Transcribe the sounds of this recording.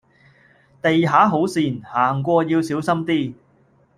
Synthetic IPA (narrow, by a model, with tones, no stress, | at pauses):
t̪e˨jɦaː˨˥ɦo˨˥wsiː˨nhaː˨˩ŋkʷɔː˧jiː˧wsiː˨˥wsɐ˥mt̪iː˥